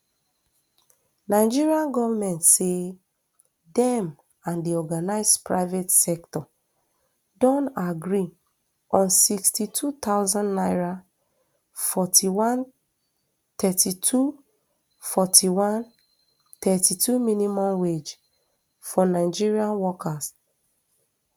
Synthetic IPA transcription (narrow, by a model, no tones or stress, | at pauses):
naɪd͡ʒiɹiãnɡɔvamɛ̃ntse | dɛ̃m | ãndiɔɡanaɪspɹa̰ɪvetsɛktɔ | dɔ̃ntaɡɹi | ɔ̃nsikstitʰut̪aʊzɔ̃nnaɪɹa | fɔtʰiwãn | t̪ɛtitʰu | fɔtʰiwãn | t̪ɛtitʰuminimɔ̃mwed͡ʒ | fɔnaɪd͡ʒiɹiãnwɔkas